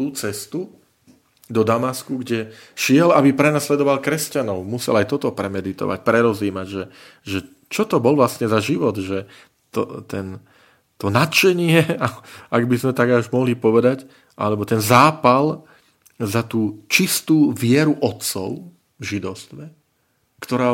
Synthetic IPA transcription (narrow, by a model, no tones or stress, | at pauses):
t̪uːt͡sɛst̪u | d̪ɔd̪amaskuɡɟɛʃɪɛlabipɾɛnaslɛd̪ɔʋalkɾɛscanɔʊmusɛ̰lajt̪ɔt̪ɔpɾɛmɛd̪it̪ɔ̰ʋa̰c̚pɾɛɾɔziːmaɟʒɛ | ʒɛ | t͡ʃɔt̪ɔbɔlʋlasɲɛzaʒiʋɔd̪ʒɛ | t̪ɔ̰t̪ɛn | t̪ɔnat͡ʃɛɲɪɛaaɡbizmɛt̪aɡauʒmɔɦlipɔʋɛd̪ac | ʔa̰lɛbɔt̪ɛnzaːpal | zat̪uːt͡ʃist̪uːʋɪɛɾuʔɔt̪t͡sɔ̰ʊ | vʒid̪ɔʊst̪ʋɛ | kt̪ɔɾaː